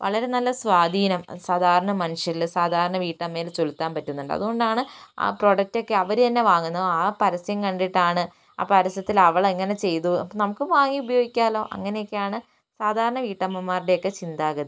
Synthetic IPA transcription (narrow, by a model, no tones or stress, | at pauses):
ʋɐ̰ɭɐɾe̞nɐlːɐsʋaːd̪ʱiːnɐmsaːd̪ʱaːɾɐɳɐmɐnuʂjɐlsaːd̪ʱaːɾɐɳɐʋiːʈːɐmːe̞ːlt͡ɕolut̪ːaːnpɐtːunːuɳɖɨɐ̰ðuɣo̞ɳɖaːɳɨa̰ːpro̞ːɖɐk̚to̞kːeɐʋɐɾut̪ɐnːe̞ʋaːŋːunːɐðoaːpɐɾɐsjɐmkɐɳɖiʈːaːɳɨ | a̰ːpɐɾɐsjɐt̪ːilɐʋɐɭeŋːɐne̞t͡ɕe̞jt̪unɐmukːɨʋaːŋːiubɐjoːɡikʲːaːlo̞ːʔɐ̰ŋːɐne̞jokːejaːɳɨ | saːd̪ʱaːɾɐɳɐʋiːʈːɐmɐmːaːriɽejokːe̞t͡ɕind̪aːɣɐðɨ